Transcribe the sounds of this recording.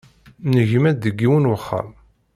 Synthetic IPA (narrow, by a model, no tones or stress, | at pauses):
nəʝmæəɡːiwənwəχːə̰m